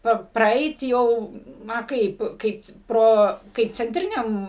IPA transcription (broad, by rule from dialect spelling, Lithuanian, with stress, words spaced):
ˈpɐ prɐˈɛɪt ˈjɛʊ ˈnɐ ˈkɐɪp ˈkɐɪp ˈproː kɐɪp t͡sʲɛnʲˈtʲrʲɪnʲɛm